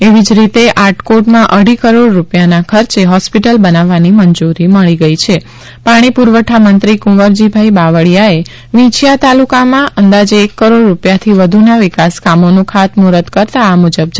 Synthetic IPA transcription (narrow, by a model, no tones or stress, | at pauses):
eʋid͡ʒɾit̪eʔaʈkoʈmãʔəɽ̤ikəɾoɽɾupjanakʰəɾt͡ʃeɦɔspiʈəlbənaʋːaniməɲd͡ʒuɾiməɭiɡəit͡ʃʰe | paɽ̃ipuɾʋəʈʰamənt̪ɾikũʋəɾd͡ʒibʱaibaʋəɭjae | ʋĩt͡ʃjat̪alukamãʔənd̪ad͡ʒeːkːəɾoɽɾːupjat̪ʰiʋəd̪ʱunaʋɪkaskamonũkʰat̪muɾət̪kəɾt̪aːmud͡ʒəb̚d͡ʒ